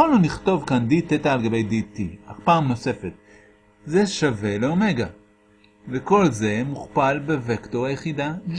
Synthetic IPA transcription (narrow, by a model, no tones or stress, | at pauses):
olnuniχto̞vkanditetaːlɡabe̞jdit̪iaχpaːmno̞se̞fe̞t | ze̞ʃave̞leo̞me̞ɡa | veko̞lze̞muχpalbe̞vektoʁajeχida